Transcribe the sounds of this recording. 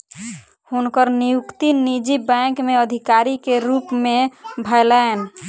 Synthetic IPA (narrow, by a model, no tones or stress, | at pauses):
hunkəɾnijukt̪inid͡ʒibɛ̃kmeəd̪ʱikaɾikeɾupmebʱəɪlən